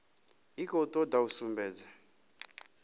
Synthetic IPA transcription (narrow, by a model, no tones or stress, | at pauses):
ikɔutʼɔdausumbɛːd͡za